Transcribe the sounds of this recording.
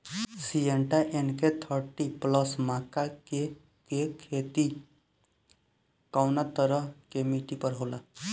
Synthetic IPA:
sieɳʈaʔenket̪ʰəɾʈipləsmaːkake | kekʰet̪i | kaʊnat̪əɾəɦkemiʈipəɾɦoːla

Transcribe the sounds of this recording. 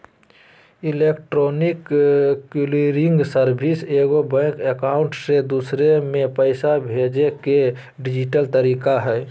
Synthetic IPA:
ileːkʈɾoːnɪkː | iliɾɪ̃ŋɡsəɾbʱiseːɡobɛ̃kekaːʊ̃ɳʈsed̪usɾemẽpəɪsabʱeːd͡ʒeke | ɖɪd͡ʒiʈəlt̪əɾiːkaɦɛː

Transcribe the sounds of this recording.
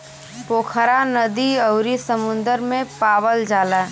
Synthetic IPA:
poːkʰəɾanəd̪iəʊɾisəmʊ̃nd̪əɾmẽpaːʋəld͡ʒaːla

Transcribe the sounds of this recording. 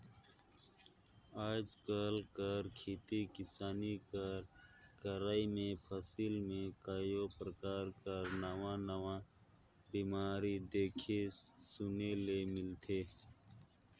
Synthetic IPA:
aːd͡ʒkalkəɾkʰeːt̪ikɪsaːnikəɾkəɾaːimẽpʰəsiːlmẽkaːjopɾəkaːɾkəɾnəwãːnəwã | biːmaːɾid̪eːkʰesʊnelemɪlt̪ʰeː

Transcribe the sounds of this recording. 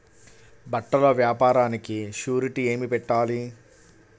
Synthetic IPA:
bɐʈːɐlɐʋjaːpaːɾaːnikiʃuːɾiʈie̞ːmipɛʈːaːli

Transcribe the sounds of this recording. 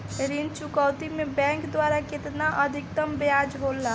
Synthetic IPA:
ɾint͡ʃʊkəwt̪imẽbɛ̃ːŋkd̪waːɾakɪt̪naʔəd̪ʱɪkt̪əmbead͡ʒɦolːa

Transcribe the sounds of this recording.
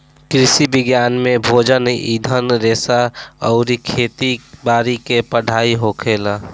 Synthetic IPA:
kɾɪsibɪɡjaːnmẽbʱoːd͡ʒənid̪ʱənɾeːsaɔʊɾikʰeːt̪ibaːɾikepəɽ̤ʱaːiɦokʰeːla

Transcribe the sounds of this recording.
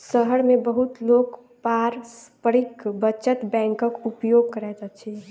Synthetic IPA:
səɦəɽmẽbəɦut̪loːɡ | paːɾspəɾikbət͡ʃət̪bɛ̃ːŋkəkupjoːɡ̚kəɾɛt̪ət͡ʃʰɛ

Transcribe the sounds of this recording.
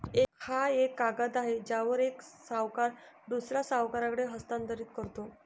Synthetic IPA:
ekhaekːaɡat̪aɦed͡ʑjaʋəɾeksaʋkaɾ | d̪usɾjasaʋkaɾakəɽeɦəst̪ãnt̪əɾiːt̪kəɾt̪o

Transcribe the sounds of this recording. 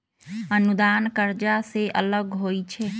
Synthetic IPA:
ənud̪ankəɾd͡ʒaseʔələɡɦojt͡ʃʰɛ

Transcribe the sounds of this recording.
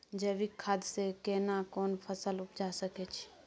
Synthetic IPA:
d͡ʒəbikʰːaːd̪sekenakɔːnpʰəsəlʊpd͡ʒasəket͡ʃʰi̥

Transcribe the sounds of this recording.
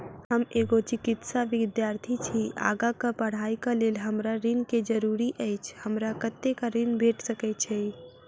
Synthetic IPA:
ɦəmeɡot͡ʃikɪt̪saʋɪd̪jaːɾt̪ʰit͡ʃʰia̰ːɡakapəɽ̤aːikaleːlɦəmɾaɾinked͡ʒəɾuɾiʔəɪt͡ʃʰhəmɾakət̪ːekaɾɪnbʱeʈsəkɛt͡ʃʰɛ

